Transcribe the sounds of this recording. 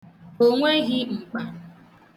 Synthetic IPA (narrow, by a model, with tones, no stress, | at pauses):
o˦ŋʷe˦ɣɪ˦ŋ͡m̩˨k͡pa˦